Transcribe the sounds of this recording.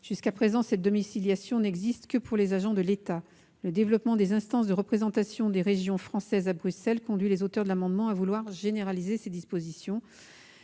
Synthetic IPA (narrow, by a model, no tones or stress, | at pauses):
ʒ̥yskapχezɑ̃sɛt̪̚d̪ɔmisiljasjɔ̃nɛɡzist̪kəpʰuʁlezaʒɑ̃d̪əlet̪a | ləd̪evlɔpmɑ̃d̪ezɛ̃st̪ɑ̃s̬d̪əʁəpχezɑ̃t̪asjɔ̃d̪eʁeʒjɔ̃fχɑ̃sɛzabʁysɛlkɔ̃d̪ɥilezot̪œʁd̪əlamɑ̃d̪mɑ̃avulwaʁʒeneʁalizesed̪ispozisjɔ̃